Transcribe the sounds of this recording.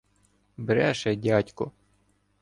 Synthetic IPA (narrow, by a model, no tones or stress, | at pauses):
bɾɛʃɛdʲɑtʲkɔ